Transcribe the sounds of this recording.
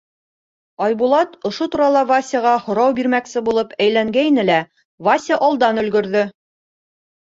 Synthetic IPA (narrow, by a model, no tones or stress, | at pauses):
ɑjbulˠɑt̪ŏʃot̪uɾɑlˠɑvasʲəʁɑhŏɾɑwbiɾmæksɘbulˠɤpæjlæŋɡæjinɘlæ | vasʲaʔɒlˠd̪ɑnɵ̆lɡɵ̆ɾðɵ